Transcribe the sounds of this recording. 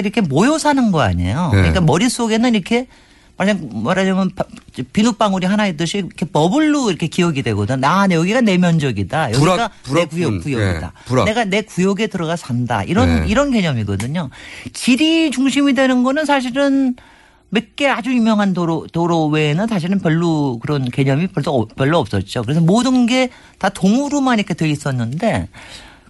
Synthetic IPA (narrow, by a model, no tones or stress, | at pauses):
iɾʌkʰe̞mojosʰanɯnɡʌa̰ɲḛjokɯɲik͈amʌɾis͈oɡe̞nɯniɾʌkʰe̞ | maɭsaŋmaɾad͡ʑʌmʌnpt͡ɕpinup͈aŋuɾiɦanaedɯɕʰikʰepʌbɯɭːuiɾʌkʰe̞kiʌɡidwe̞ɡʌdɯnajʌɡiɡane̞mjʌnd͡ʑʌɡidajʌɡiaekujʌkujʌɡḭda̰pne̞ɡane̞kujʌɡe̞tɯɾʌɣasʰanda̰iɾʌniɾʌnke̞ɲʌmiɡʌdɯɲokiɾit͡ɕuŋɕʰimidwe̞nɯnɡʌnɯns̬ʰaɕ̬ʰiɾɯn | mek͈e̞ad͡ʑujumjʌŋɦandotoɾoweːnɯnsʰaɕ̬ʰiɾɯnpjʌɭːukɯɾʌnke̞ɲʌmipjʌɭs͈opjʌɭːoʌp̚s͈ʌt̚t͡ɕ͈okɯɾe̞s̬ʰʌmodɯnɡe̞ | tatoŋuɾumaniɾʌkʰe̞tweis͈ʌnːɯnde̞